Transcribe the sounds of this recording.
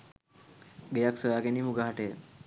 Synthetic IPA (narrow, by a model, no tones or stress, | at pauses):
ɡejaksəʋaɡenimuɡaɦaʈe